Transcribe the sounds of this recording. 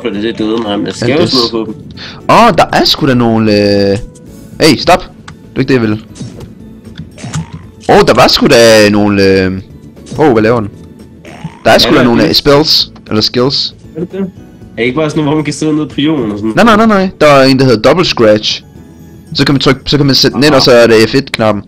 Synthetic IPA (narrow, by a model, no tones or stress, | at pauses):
d̥ed̥ed̥øðˠmɑɪmnæsɡenoːð̩ˠpʰɒd̥m̩ɒd̥ɑ̈ʔæɐsɡ̥uɾ̥æno̝ːn̩ø | eɪsd̥ɒ̽b̥ | dd̥ue̝ɡ̥̚d̥ejæʋel | ʔod̥ɑ̈ʋɑ̈sɡ̥ud̥æno̝ːn̩ømʔoːʋælɛːʊɐd̥en̩ | d̥ɑ̈æɐsɡ̥ud̥æno̝ːn̩sb̥elsʔelɐsɡ̥e̝ls | d̥e | æeɡ̥əb̥ɑ̈ːsɔnːʋɔfmænkʰæseðˠneðˠpʰʁio̝̰ːn̩ɒsɔnnɑ̈ɪnɑ̈ɪnaɪnɑɪ̰d̥ɑʋɑe̝̰ːn̩d̥æheðˠd̥ɒ̽b̥l̩sɡ̥ʁæ̥ɕ | sɒ̽kʰæmænt͡sʰʁœɡ̥̚sɒkʰæmænsed̥d̥nenɒ̽sɒ̽æɐɾeæfe̝d̥kʰnɑ̈b̥m̩